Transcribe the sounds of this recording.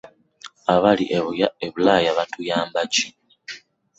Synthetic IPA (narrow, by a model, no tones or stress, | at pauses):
aβaliʔeβujaeβulaːjaβatujaːmbaci